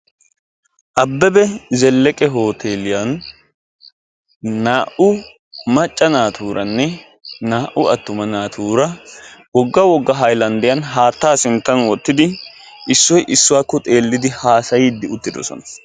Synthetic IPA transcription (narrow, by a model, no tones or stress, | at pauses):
ʔɐbːɛbɛzɛlːɛkʼɛɦo̞ːt̪ʰeːlɪjan | aːʔʊ | mɐt͡ʃʼːɐnaːt̪ʰuːɾʔɐnːɛ | naːʔʊɐt̪ːʊmɐnaːt̪ʰuːɾɐwɔɡːɐwɔɡːɐɦɐjlɐnd̪ɪjɐnɦaːt̪ːaːsɪnt̪ːɐnwɔt̪ːɪd̪ɪ | ʔɪsːɔjʔɪsːʊwaːkːɔt̪ʼe̞ːlːɪd̪ɪhaːsɐjiːd̪ːɪʊt̪ːɪd̪ɔ̰sɔ̰nɐ